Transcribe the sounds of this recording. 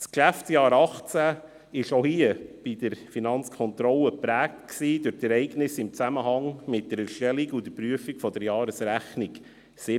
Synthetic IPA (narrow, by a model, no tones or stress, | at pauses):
skʃæftsjɑːɾɑχt͡sæ | ɪʃohiəb̥id̥əɾfinɑnt͡skʰχɔnt̪ɾɔləpɾæːk̚tksiːd̥ʊɾtɛɾɛɪɡnɪsɪmt͡sæməɦɑŋmɪt̚d̥əɾɛɾʃtɛliɡʊd̥̪əɾpɾyəfikfɔdəɾjɑːɾəsɾæχniɡ | sɪ